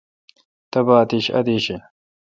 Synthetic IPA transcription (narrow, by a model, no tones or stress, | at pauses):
t̪ɐbaːt̪iɕɐ̰d̪iːɕe